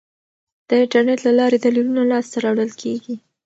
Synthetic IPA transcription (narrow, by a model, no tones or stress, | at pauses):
d̪̥əɪɳʈaɾneʈlalɑɾed̪alilunalɑst̪aɾɑwɽəlkʰeɡi